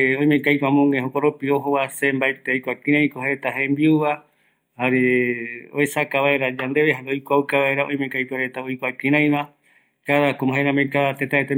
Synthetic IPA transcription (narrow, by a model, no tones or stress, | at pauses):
õj̃mẽkajpamõŋẽɦokoɾopioɦoβasembaet̪eojkʷakĩɾ̃ãj̃koɦaet̪aɦẽmbiuβa | haɾeo̰esakaβaeɾad͡ʒand̪eβeɦaɾojkʷawkaβaeɾaõj̃mẽkajpaɾet̪aojkʷakĩɾ̃ãj̃βa | kaðakomaɦeɾamekat̪et̪aet̪e